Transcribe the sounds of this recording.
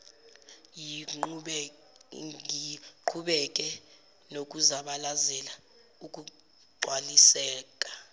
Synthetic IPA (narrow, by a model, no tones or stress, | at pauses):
ji | iǃʰuɓɛk̬ʼɛ | nok̬ʼuzaɓalazɛla | uk̬ʼu | ǃwalisɛːk̬ʼḁ